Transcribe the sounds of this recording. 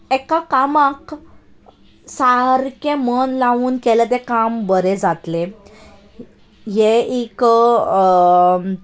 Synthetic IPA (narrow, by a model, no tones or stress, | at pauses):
ɛkakamãk | saɾkẽmənlaʋuːnkelət̪̬ekambəɾed͡zat̪le | jeik